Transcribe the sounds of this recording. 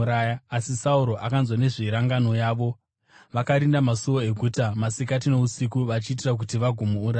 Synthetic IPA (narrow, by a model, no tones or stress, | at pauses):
ɾajaasisauɾo̞ʔakanzwane̞ʐiɾaŋɡano̞jaːʋo̞ | ʋakaɾindamasuʋoeɡʱutamasikat̬ino̞usikuʋat͡ʃiːt̬irak̬utiʋaɡʱomuːɾaː